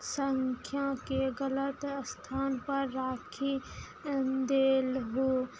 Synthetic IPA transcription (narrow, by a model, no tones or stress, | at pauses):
səŋkʰjãkeɣələt̪st̪ʰaːnpɐɾːaːkʰi | d̪eːlɦoː